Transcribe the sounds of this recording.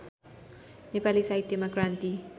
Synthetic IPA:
nepalisait̪̚d̪emokɾant̪i

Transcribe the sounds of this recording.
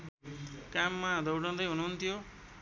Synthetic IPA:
kamːad̪ʌwɽʌ̃nd̪ʌjɦununt̪ʰijo

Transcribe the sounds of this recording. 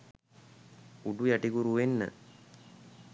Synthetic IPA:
uɖujaʈikuɾuʋenːə̰

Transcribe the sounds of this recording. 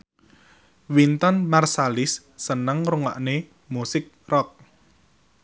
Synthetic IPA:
wint̪ɔnmarsalɪsː | ənəŋruŋa̰ʔne | musɪk̚rɔk̚

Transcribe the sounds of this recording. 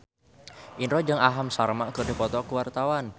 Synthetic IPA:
ʔinɾɔd͡ʒaŋaɦamsarmaʔkərdipɔt̪ɔkuwart̪awan

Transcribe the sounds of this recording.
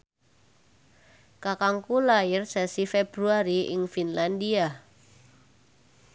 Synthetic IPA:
kakaŋkulaɪrsɛsifeb̥ɾuaɾiɪ̰ŋfinlandia

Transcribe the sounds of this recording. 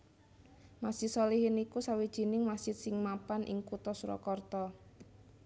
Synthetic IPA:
masisɔlihɪnikusawid̥ʒ̥i̤nɪŋmasɪt̪̚sɪŋmapanʔɪ̰ŋkut̪ɔsuɾɔ̰kɔrt̪ɔ

